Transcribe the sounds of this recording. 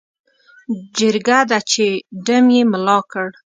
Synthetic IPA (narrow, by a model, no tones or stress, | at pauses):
d͡ʒəɾɡad̪at͡ʃeɖəmjemlɑkəɽ